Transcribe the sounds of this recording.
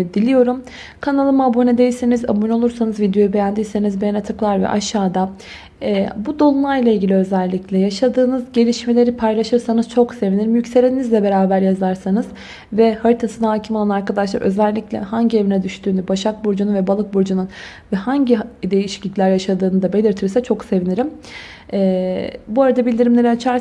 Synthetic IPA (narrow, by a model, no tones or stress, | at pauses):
d̪ilʲijo̞ɾum | kʰanalˠɯmaabonɛd̪e̞jiseniza̰buno̞lˠuɾsanɯzvid̪jo̞jube̞jænd̪ijse̞nizbejanat̪ʰɯklˠaɾvɛ̰ʔa̰ʃːaːd̪a | bud̪o̞lˠumlˠajlˠailʲɟilʲiø̞zælʲːiclʲɛjaʃad̪ɯːnɯzɟe̞lʲiʃme̞lʲe̞ɾipʰajlˠaʃɯɾsanɯz̥t͡ʃʰo̞kse̞viniɾimjycse̞lʲinʲinizlʲɛbe̞ɾaːbæɾjazaɾsanɯz | vɛhaɾɯt̪ʰasɯnaɦaːcʰimalˠanaɾkad̪aʃlˠaɾø̞zɛlʲːiclʲɛ̰haɲɟie̞vinɛd̪yʃt̪ʰyːnybaʃak̚buɾd͡ʒununvɛbalˠɯk̚buɾd͡ʒunun | vɛhaɲɟid̪e̞jiʃi̥clʲic̪lʲæɾjaʃad̪ɯːnɯd̪abe̞lʲiɾt̪ʰiɾsɛt͡ʃʰo̞kse̞viniɾim | ɛːbuaɾad̪abilʲd̪iɾimlʲe̞ɾiat͡ʃʰaɾ